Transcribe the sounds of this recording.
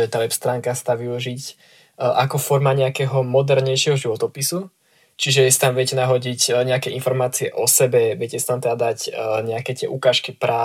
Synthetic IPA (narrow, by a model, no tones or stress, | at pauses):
ɛt̪aːʋɛpst̪ɾaːŋkast̪aːʋiuʒic | ʔakɔfɔɾmaɲɛakɛːɦɔmɔd̪ɛɾɲɛjʃɪɛɦɔʒiʋɔt̪ɔpisu | t͡ʃiʒɛɛsi̥t̪amʋɪɛcɛnaɦɔɟicɲɛakɛʔinfɔɾmaːt͡siɛ̰ʔɔsɛbɛʋɛcɛsi̥t̪amt̪ɛd̪ad̪acɲɛakɛt̪ɪɛ̰ʔukaːʃkipɾʔa